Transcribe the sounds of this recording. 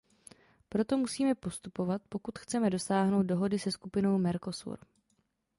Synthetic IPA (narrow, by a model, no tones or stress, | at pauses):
pɾo̞t̪o̞musiːmɛpo̞st̪upo̞vat̪̚po̞kut̪xt͡sɛmɛdo̞saːɦno̞wt̪̚doɦo̞dɪsɛskupɪno̞wmɛɾko̞sṵɾ